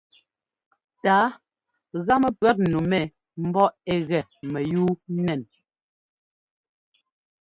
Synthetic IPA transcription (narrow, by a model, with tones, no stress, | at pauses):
taː˨˦ | ɣa˦mɛ˨pɰɛ˦t̚nu˨mɛ˨ | m̩˦bɔ˦ɛ˦˨ɣɛ˨mɛ˨juː˦nɛ˨n